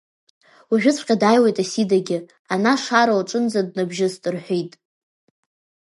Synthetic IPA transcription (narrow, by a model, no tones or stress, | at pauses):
waʒᶣɪt͡sʷʰʼqʲʼadajwejtʼasidaɡʲɪ | anaʂaɾowaʈ͡ʂʼɨnd͡zad̚nabʒɪstʼɨrħʷᶣejtʼ